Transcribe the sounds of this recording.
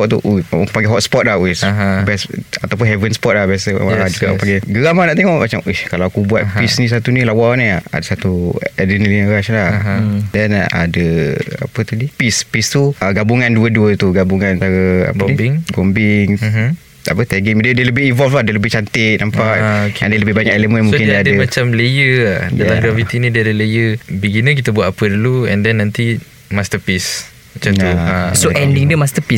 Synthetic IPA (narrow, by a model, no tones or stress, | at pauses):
ɔʔt̪ṵʔakupaɡɛɦɔt̪spɔt̪̚lawisbɛsat̪awp̬ʊnɦɛvənspɔt̪̚lahbiasə̰ad͡ʒuɡaʔkpaŋɡɛɡəɣamanaʔt̪eŋɔʔmat͡ʃamʔuhkalawakubuat̪̚pisnĩs̬at̪unĩlawanĩa̰dəsat̪uɛdənlinəɾaslahdɛna̰dəa̰pət̪udipispist̪uaɡabuŋanduəduət̪uɡabuŋanant̪aɾəa̰ɡəɔibɪŋɡɔmbɪŋɦ̩ | a̰pət̪ɛɡiŋddələbɪinvɔlfladələbɪht͡ʃant̪ɪk̚nampaʔokea̰dələbɪhbaɲakɛləmə̃nmuŋsokɪnddadəmat͡ʃamləjəadat̪aŋɡɾafit̪inĩdiadələjəbiɡinəkit̪abuwat̪apəduluɛndɛnːãnt̪i | mast̪əpis | mat͡ʃat̪uasoʔɛndiŋdəmast̪əpis